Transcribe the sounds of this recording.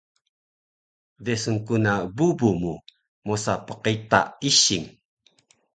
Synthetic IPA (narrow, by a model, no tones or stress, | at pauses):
desəŋkunabubumu | mosapə̥qita̰iɕiŋ